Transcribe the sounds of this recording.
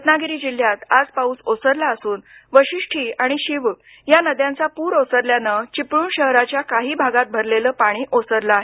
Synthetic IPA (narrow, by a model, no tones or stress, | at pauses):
ət̪naɡiɾiːd͡ʑil̤ːjat̪ad͡zpauːsosəɾlaəsuːnʋəɕiʂʈʰiːaɽ̃iɕiʋ | janəd̪jãnt͡sapuːɾosəɾljanət͡ɕipɽuːɳɕəɦɾat͡ɕjakaɦiːbʱaɡat̪̚bʱəɾleləːpaɽ̃iːʔosəɾlaaɦe